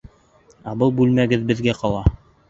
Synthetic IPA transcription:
ɑbɤlˠbʉlmæɡɘðbɘ̆ðɡæqɑlˠɑ

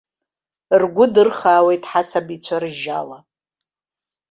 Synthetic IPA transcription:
rɡʷʊdɨrχaːwe̞jtʼħasabit͡sʷʰarɨʒala

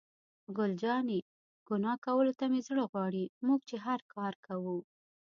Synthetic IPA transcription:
ɡʊld͡ʒɑne | ɡ̥ʊnɑkawəlot̪amezɽəɣwɑɽimuɡ̚t͡ʃeɦaɾkʰɑɾkawu

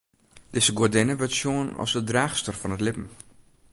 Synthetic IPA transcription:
d̥ɪzəɡodɪnəʋətsjoənɔ̰sdədraːxstərfɔnətlɪpəm̩

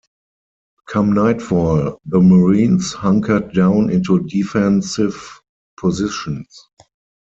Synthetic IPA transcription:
kʰãmnaɪtfɔlðəməɹĩːnshãŋkʰə˞d̚dãʊ̃nɪ̃ntudifɛ̃nsɪv | pʰɔzɪʃə̃ns

